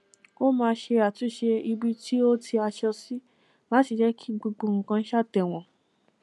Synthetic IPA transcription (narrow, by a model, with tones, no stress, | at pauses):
o˦mãː˧˦ʃe˧a˨tu˨˦ʃe˧i˧bi˦ti˦o˦ti˧a˧ʃɔ˧si˦ | la˦ti˨d͡ʒɛ˦kʰi˦ɡ͡bu˧ɡ͡bõ˧ŋ̩˨kã˧n̩˦ʃa˦˨tɛ˨w̃ɔ̃˨